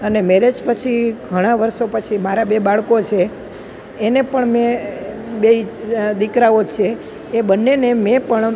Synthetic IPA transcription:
ənemeɾed͡ʒpət͡ʃʰiɡʱəɽ̃aʋəɾʃopət͡ʃʰimaɾabebaɭkot͡ʃʰeː | nepəɳmẽ | beid̪ikɾaod͡ʒt͡ʃʰeː | bənːenemɛ̃pəɳ

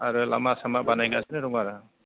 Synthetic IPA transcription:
aɾɯla̰masamaʔbanajɡasɛnɛɾɔŋaɾa

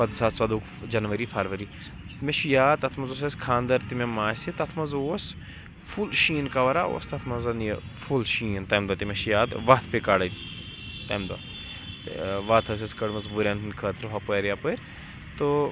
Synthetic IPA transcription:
ʋɐd̪saːt̪sɐd̪uːk | d͡ʒɐnʋɐɾifʰɐɾʋɐɾi | meʃjaːd̪̚t̪ɐt̪ʰmɐnzoːs̬ɐskʰaːnd̪ɐɾt̪imemːaːsit̪ɐt̪ʰmɐnzoːs | fʰulʃiːnkɐʋɐɾao̰ːst̪ɐt̪ʰmɐzɐnjfʰulʃiːnt̪ɐmd̪ɐt̪imɐʃjaːd̪ʋɐt̪ʰpekaːɽɐ | t̪ɐmd̪o | ʋɐt̪ʰɐs̬ɐskɐɽmɐzbuɾʲaːninkʰət̪ɾfʰɐpoɐɾjapuɾ | t̪o

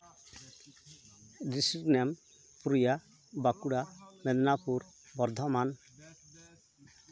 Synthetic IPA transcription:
disiɾnɛm | puɾija | bakuɽamɛd̪napuɾ | bɔɾd̪ʱɔman

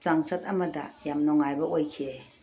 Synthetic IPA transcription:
t͡ʃaŋsɐtɐmɐdɐ̰jamnɔŋajbɐojkʰe

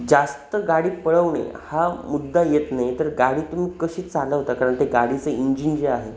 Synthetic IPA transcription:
d͡zast̪əɡaɽiːpəɭəʋɳḛhamud̪ːajet̪najt̪əɾɡaɽiːt̪um̤iːkəɕiːt͡salaɦot̪akaɾəɳt̪eɡaɽit͡səiɲd͡ʑind͡ʑeaɦe

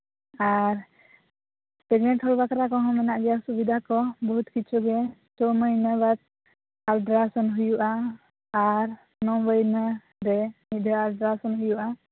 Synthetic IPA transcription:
aɾ | pɛɡnɛʈhɔlbakaɾakɔɦɔ̃mɛnaʔɡɛjasubid̪ʱakɔbɔɦut̪kit͡ʃuɡɛt͡ʃɔməjnəbat̪̚ | alɖɾasɔnɦujuʔaː | ɾ | nɔbəjnə | ɾɛnid̪ʱəalɖɾasɔnɦujuʔa

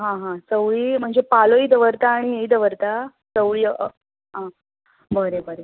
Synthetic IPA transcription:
ɦãɦãsəwɭiːm̤əɳd͡zepaloid̪əʋəɾt̪aːɽ̃ieid̪əʋəɾt̪a | səwɭiː | ɦã | bəɾebəɾe

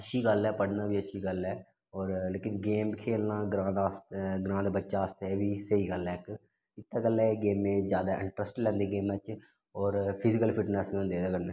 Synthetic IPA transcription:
əʃʰiːɡəlɛːpəɽnãːbiːəʃʰiːɡəlɛː | ɔːɾleːkɪnɡeːmkʰeːlnãːɡɾãːd̪aːstɡɾãːnd̪bətːʃaːst̪ɛːʋiːsəiːɡəlɛːk | ɪt̪ːaːɡəlɛːɡeːmẽːd͡ʒjaːd̪aːʔɪ̰̃ɳʈɾəsʈlɛ̃ːnd̪eːɡeːmɛːt͡ʃ | ɔːɾpʰɪzɪkəlpʰɪʈnɛːsnẽɦõnd̪eːt̪aːkəɽnẽː

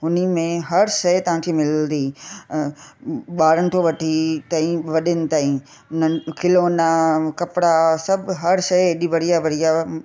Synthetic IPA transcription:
ɦʊnimẽɦɐɾʃɐjt̪ɐʋ̤ãːkʰimɪləd̪iː | ɓaːɾənɪ̆t̪ʰoʋɐʈʰit̪ãːĩʋɐɗɪnɪ̆t̪aːĩ | nənkɪloːnakɐpɪɽasɐbʱɦɐɾsɐeɗiʋɐɽ̤ijaʋɐɽija

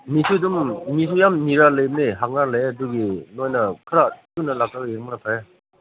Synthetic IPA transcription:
nisʰudummis̬ʰujamniɾalejbneɦak̚nalejaduɡinojnɐkʰɯɾatunɐlak̚kaeɾmkɾatʰaɾa

